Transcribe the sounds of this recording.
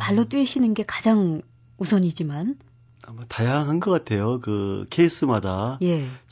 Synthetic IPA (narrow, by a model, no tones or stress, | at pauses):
paɭːot͈iiɕʰinɯnɡe̞kad͡ʑaŋ | usʰʌɲid͡ʑiman | amatajaŋɦanɡʌk͈atʰe̞jokɯ̰kʰeis͈ɯmadaje̞